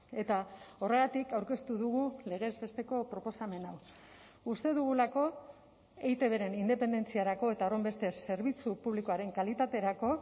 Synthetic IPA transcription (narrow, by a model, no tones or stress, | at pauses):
e̞t̪ao̞re̞ɣat̪ikawɾke̞st̪uðuɣule̞ɣ̞e̞zβe̞st̪e̞ko̞pɾo̞po̞same̞naw | ust̪e̞ðuɣ̞ulako̞ | e̞jt̪e̞β̞e̞ɾe̞nind̪e̞pe̞nd̪e̞nt͡siaɾako̞e̞t̪aorembe̞st̪e̞se̞ɾβ̞it͡supuβlikoaɾe̞ŋkalit̪at̪e̞ɾako̞